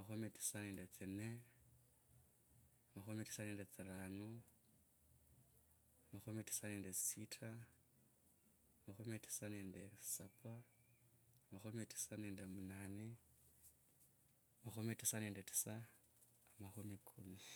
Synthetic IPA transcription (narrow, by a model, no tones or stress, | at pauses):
amaxumitʰi̥sanendet͡sine | amaxumitʰi̥sanendet͡siraːnu | amaxumitʰi̥sanendesitʰa | maxumitʰi̥sanendesapʰaː | maxumitʰi̥sanendemunani | amaxumitʰi̥sanendetʰi̥saː | maxumikʰumi